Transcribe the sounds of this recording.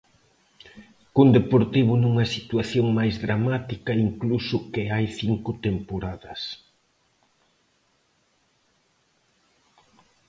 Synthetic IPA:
kund̪epoɾt̪iβ̞ʊnuŋɐsit̪uaθjoŋmajzðɾamat̪ikɐiŋklusʊkɪajθiŋkʊt̪empoɾaðɐs

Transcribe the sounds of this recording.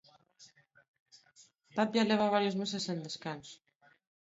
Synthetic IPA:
t̪apjaleβ̞aβ̞aɾjozmusesend̪eskanso̥

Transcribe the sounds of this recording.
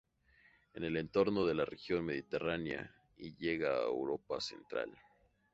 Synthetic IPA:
e̞ne̞le̞nt̪o̞ɾno̞ðe̞larexjo̞nme̞ðit̪e̞ranja̰ | iʝe̞ɣaewɾo̞pase̞̰nt̪ɾa̰l

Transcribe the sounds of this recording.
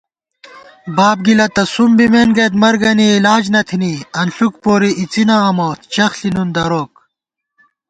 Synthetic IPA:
baːb̚ɡilɐt̪ɐsumbimenɡet̪mɐɾɡɐniːlaːd͡ʑnɐt̪ʰiniɐnɬukpoːɾiʔit͡sinɐːmoːt̪̚t͡ɕɐxɬinund̪ɐɾoːk̚

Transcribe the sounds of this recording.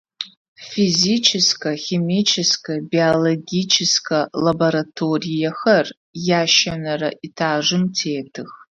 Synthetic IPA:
fizit͡ʃʰɪskʰʼɐxʲemit͡ʃʰɪskʰabioloɡʲit͡ʃʰɪskʰalaboɾatʰorijaxɐr | jaːʃanara̰ʔitʰaːʐɨmtʰeːtʰɨx

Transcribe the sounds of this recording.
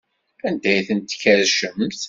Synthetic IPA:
ænd̪æjθənt̪ːkːæɾʃəmt̪

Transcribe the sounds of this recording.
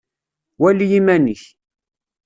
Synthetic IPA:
wælijimæniç

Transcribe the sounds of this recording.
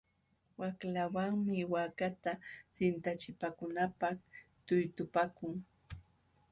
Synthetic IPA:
waklawaŋmɪwakat̪asɪnt̪at͡ʃɪpaːkʊnapaχt̪ʊjt̪ʊpakʊŋ

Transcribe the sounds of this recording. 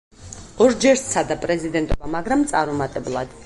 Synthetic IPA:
ɔɾd͡ʒɛɾssʰad̪apʼɾɛzid̪ɛnt̪ʼɔbamaɡɾamt̪sʼaɾumat̪ʼɛblˠad̪̥

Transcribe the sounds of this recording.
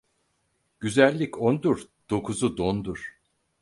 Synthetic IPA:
ɟ̥yzælʲːicʰond̪uɾ | d̪̥o̞kʰuzud̪ond̪uɾ̥

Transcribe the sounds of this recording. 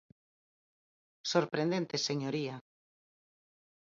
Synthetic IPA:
soɾpɾẽnd̪ent̪eseɲoɾia

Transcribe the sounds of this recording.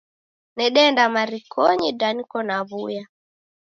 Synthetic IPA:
nɛɗɛndamaɾikʰɔɲidanikɔnaβuja

